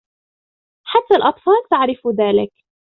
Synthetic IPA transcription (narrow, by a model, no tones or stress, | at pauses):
ħat̪ːalʔɑt̪ˤfɑːlt̪aʕɾɪfðaːlɪk